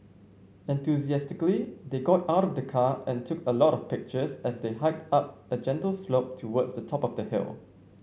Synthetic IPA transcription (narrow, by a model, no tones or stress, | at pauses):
ɛ̃nθjuziæstɪklid̪eɡɔtaʊɾɔfdəkʰaɛ̃ntʰʊkʰəlɔɾɔfpɪk̚t͡ʃəsɛsdeɦaɪp̚tap̚əd͡ʒɛ̃ntəlsloʊp̚tʰuwɔdsdətʰɔpɔvdəhɪ̰lˠ